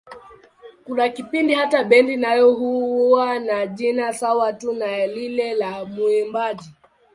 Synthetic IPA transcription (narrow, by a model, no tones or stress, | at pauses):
kulakipindihataɓɛndinajɔɦuanaʄinasawatunalilɛlamuɛmbaʄi